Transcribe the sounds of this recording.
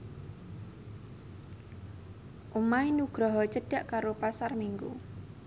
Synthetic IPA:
ʔumainuɡ̥ɾɔɦɔt͡ʃəɖ̥a̤ʔkaɾopasarmiŋɡṵ

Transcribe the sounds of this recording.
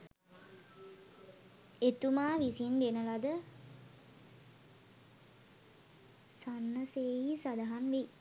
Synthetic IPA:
et̪umaːʋisind̪enəlad̪ə | sanːəseːjisad̪aɦanʋe

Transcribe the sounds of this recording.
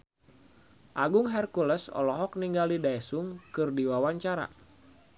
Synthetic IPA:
ʔaɡʊŋɦɛrkuləsɔ̰lɔɦɔk̚niŋɡalidaɛsuŋkɨrdiwawaɲt͡ʃaɾa̰

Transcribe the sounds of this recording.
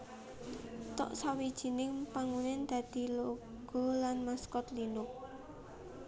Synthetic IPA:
t̪ɔ̰ʔsawid̥ʒ̥i̤nɪŋpaŋunɪnd̪̥ä̤d̪̥i̤lo | ɡ̥ɔ̤lanmaskɔt̪linʊk̚

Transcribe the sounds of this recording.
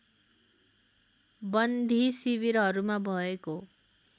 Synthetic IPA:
bʌnd̪ʱisibiɾɦʌɾumabʱʌeko

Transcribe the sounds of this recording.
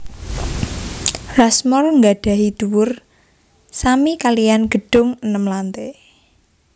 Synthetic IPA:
rasmɔrŋɡaɖ̥a̤ɦid̪̥uwʊr | samikalijanɡ̥ə̤ɖ̥ʊ̤ŋənəmlant̪e

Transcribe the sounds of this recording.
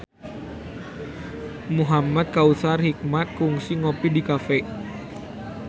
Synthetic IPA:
muɦamat̪̚kausarhik̚mat̪̚kuŋsiŋopidikafɛ

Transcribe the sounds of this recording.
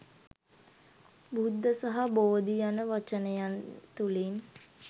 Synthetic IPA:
bud̪ːəsaɦaboːd̪ijanəʋat͡ʃənəjant̪ulin

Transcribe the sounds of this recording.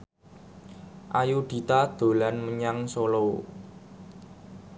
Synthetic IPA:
ʔajuɖ̪̥i̤t̪ad̪̥o̤lanməɲaŋsolo

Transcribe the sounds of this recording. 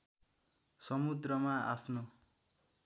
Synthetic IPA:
sʌmud̪rʌmaapʰno

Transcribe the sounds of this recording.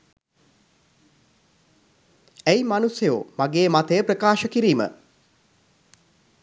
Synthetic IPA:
æjmanusjejo̰maɡeːmat̪əjəprəkaːʃəkiɾiːmə̰

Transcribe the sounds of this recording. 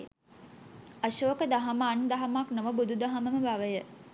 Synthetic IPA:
əʃoːkəd̪aɦaməːnd̪aɦamaknoʋəbud̪ʱud̪aɦaməməbaʋəjə

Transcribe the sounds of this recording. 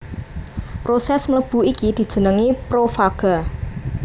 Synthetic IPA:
pɾosɛsmləb̥ṳikid̪̥i̤̥ʒ̥ə̤nəŋipɾofaɡ̥a

